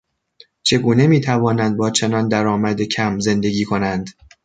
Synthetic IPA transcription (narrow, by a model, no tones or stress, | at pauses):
t͡ʃʰe̞ɡuːne̞miːt̪ʰævɒːnænd̪̚bɒːt͡ʃʰe̞nɒːnd̪æɾɒːmæd̪ecʰæmze̞nd̪e̞ɡʲiːkʰo̞nænd̪